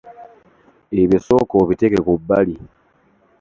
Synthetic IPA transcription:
eβisokoβitekekubːali

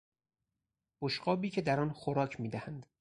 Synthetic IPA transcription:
b̥oʃqɒːbiːcʰe̞d̪æɾɒːnxoɾɒːcʰmiːd̪æhænd̪

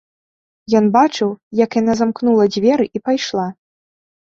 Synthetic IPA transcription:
jɔnbat͡ʂɨwjɐkjanazamknulˠɐd͡zʲvʲɛɾɨʔipajʂlˠa

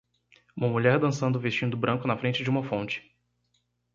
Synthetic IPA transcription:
ũmɐmuʎɛɾd̪ɐ̃sɐ̃nd̪ʊvest͡ʃĩnd̪ʊbɾɐ̃ŋkʊnɐfɾẽnt͡ʃɪd͡ʒɪũmɐfõnt͡ʃɪ̥

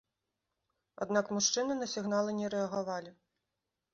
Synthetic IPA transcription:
a̰d̪nakmuʂt͡ʂɨnɨnɐsʲiɣnalˠɨnʲɛɾɛɐɣavalʲi

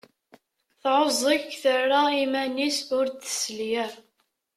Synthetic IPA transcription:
θʕozˤəçθərːaimænisʊɾt̪ːə̥sljæ

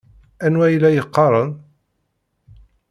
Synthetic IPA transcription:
ænwæjlæjəqːɑɾˤən

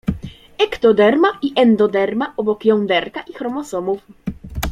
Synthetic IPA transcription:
ɛkt̪ɔd̪ɛɾmaʔiʔɛnd̪ɔd̪ɛɾmaʔɔbɔkjɔnd̪ɛɾkaʔixɾɔmɔsɔmuf

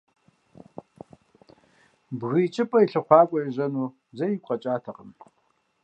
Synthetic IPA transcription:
bɣiːt͡ʃʼɨpʼɐjiɬɨχʷɑːkʷʼɔjɛʑɐnuː | zɐjikʷʼɐt͡ʃʼaːtʰɐqəm

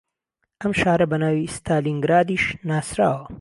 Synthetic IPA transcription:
ɐmʃaːɾɐbɐnaːwist̪ʰaːliŋɡɾaːd̪iʃnaːsɾa̰ːwɐ

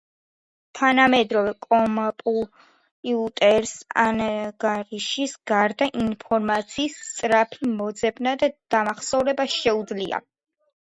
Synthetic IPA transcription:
t̪ʰanamɛd̪ɾɔvɛkʼɔmapʼu | pʼiut̪ʼɛɾsa̰naɡaɾiʃisɡ̥aɾd̪aʔinpʰɔɾmat̪sʰiːst̪sʼɾapʰimɔd̪zɛbnad̪ad̪̥amaχsɔvɾɛbaʃɛud̪zlia̰

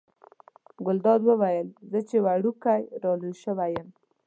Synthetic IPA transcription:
ɡʊld̪ɑd̪wəwajəlzət͡ʃewaɽukajɾɑluʃəwajəm

